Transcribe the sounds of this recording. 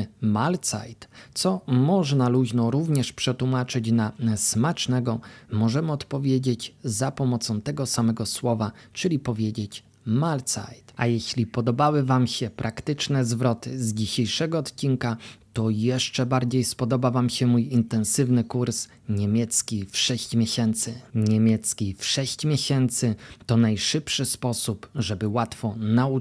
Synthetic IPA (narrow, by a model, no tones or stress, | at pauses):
malt̪sa̰jt̪t̪sɔmɔʐnaluʑnɔɾuvɲɛʂpʂɛt̪wumat͡ʂɘt͡ɕnasmat͡ʂnɛɡɔmɔʐɛmɘɔt̪pɔvʲjed͡ʑet͡ɕzapɔmɔt̪sɔ̃w̃t̪ɛɡɔsamɛɡɔswɔvat͡ʂɘlʲipɔvʲjed͡ʑet͡ɕ | malt̪sa̰jt̪ajɛɕlʲipɔd̪ɔbawɘvamɕɛpɾʔakt̪ɘt͡ʂnɛzvɾɔt̪ɘzd͡ʑiɕejʂɛɡɔːt̪t͡ɕinkat̪ɔjɛʂt͡ʂɛbaɾd͡ʑejspɔd̪ɔbavamɕɛmujint̪ɛnsɘvnɘkuɾs | ɲemʲjɛt̪skʲifʂɛɕt͡ɕmʲeɕɛnt̪sɘɲemʲjɛt̪skʲifʂɛɕt͡ɕmʲjeɕɛnt̪sɘt̪ɔnajʂɘpʂɘspɔsupʐɛbɘwat̪fɔnau